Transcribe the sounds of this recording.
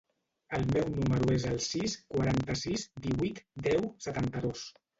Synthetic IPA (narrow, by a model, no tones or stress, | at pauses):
əlˠmɛwnuməɾuezəlˠsiskwaɾant̪əsizd̪iβit̪d̪ɛwsət̪ant̪əðos